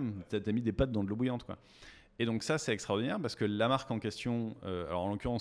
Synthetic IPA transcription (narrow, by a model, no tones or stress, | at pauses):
mt̪at̪yamid̪epat̪̚d̪ɑ̃d̪əlobujɑ̃t̪kwa̰ | ed̪ɔ̃ksasɛt̪ɛkst̪χaɔʁd̪inɛʁpaʁsə̥kəlamaʁkɑ̃kʲɛst̪jɔ̃øa̰lɔʁɑ̃lɔkʲyʁɑ̃